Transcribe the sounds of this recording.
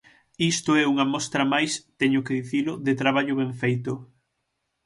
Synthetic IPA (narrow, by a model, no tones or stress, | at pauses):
ist̪ʊɛuŋɐmɔst̪ɾɐmajst̪ɛɲʊkeðiθilʊðet̪ɾaβ̞aʎʊβeɱfejt̪ʊ